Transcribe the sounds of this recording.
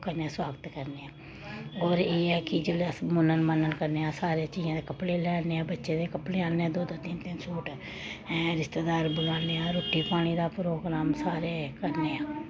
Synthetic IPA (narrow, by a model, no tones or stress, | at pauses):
kəɾneːãːswaːɡət̪kəɾneːãː | ɦoːɾeːɛːkɪd͡ʒolaːsmʊnənmənənkəɾneːãːsaːɾeãːt͡ʃiːzãːd̪eːkəpɽeːlɛːneːãːbətːʃeːd̪eːkəpɽeːaːneːãːd̪oːd̪aːt̪ɪnt̪ɪnsuːʈː | ɾɪst̪eːd̪aːɾbʊlaːneːãːɾoːʈʰːiːpaːɽ̃iːd̪aːpɾoːɡɾaːmsaːɾeːkəɾneːãː